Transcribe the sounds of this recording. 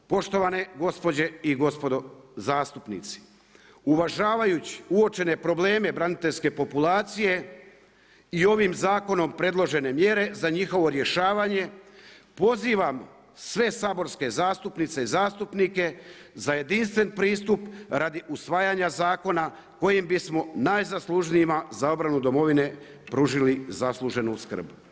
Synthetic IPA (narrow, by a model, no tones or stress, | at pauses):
po̞ʃt̪o̞ʋaneɡo̞spo̞d͡ʑe̞iɡo̞spo̞d̪ozaːst̪upnḭt̪si̥ | uʋaʒaːʋajut͡ɕi̥uo̞t͡ʃe̞ne̞pɾo̞ble̞ːme̞bɾanit̪eʎʲske̞po̞pulaːt̪sije̞ | io̞ʋiːmzaːko̞no̞mpɾe̞d̪lˠo̞ʒe̞ne̞mje̞ɾe̞zaɲixo̞ʋo̞ɾje̞ʃaːʋaɲe̞po̞ziːʋam | sʋe̞saːbo̞ɾske̞zaːst̪upnit̪se̞izaːst̪upnike̞ | zaje̞d̪inst̪ʋe̞npɾiːst̪upɾad̪iʔusʋaːjaɲazaːko̞na | ko̞jimbismo̞najzaslˠuʒniimazao̞bɾanud̪o̞mo̞ʋine̞ | pɾuʒilizaslˠuʒe̞nuskr̩b